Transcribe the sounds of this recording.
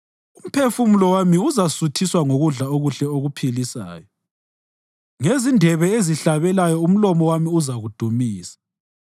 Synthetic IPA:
um̩pʰefumulɔwamiuzasutʰiswaŋoɣuɮaoɣuɬɛoɣupʰilisa̰ːjɔ | ŋezindʱɛβɛeziɬaβɛlajɔum̩lɔmɔwamiuzaɣud̥ʱumiːsḁ

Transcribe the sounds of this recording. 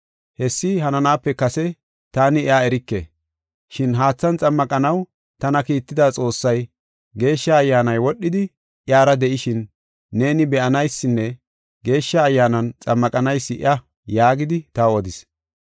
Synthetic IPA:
hɛsːɪhɐnɐnaːpːɛkɐsɛ | t̪aːnɪaɛɾɪkːḛ | ʃɪnɦaːt͡sːɐnt͡sʼɐmːɐkʼɐnɐw | t̪ɐnɐkiːt̪ːɪd̪aːt͡sʼo̞ːsːɐj | ɡe̞ːʃːɐːjːaːnɐjwɔɗːɪd̪ɪ | ʔɪaːɾɐd̪ɛʔɪʃɪnː | e̞ːnɪbɛʔɐnɐjsːɪnːɛ | ɡe̞ːʃːɐːjːaːnɐnt͡sʼɐmːɐkʼɐnɐjsːɪɪ̰ʔɐ | jaːɡɪd̪ɪt̪ɐɔd̪ɪs

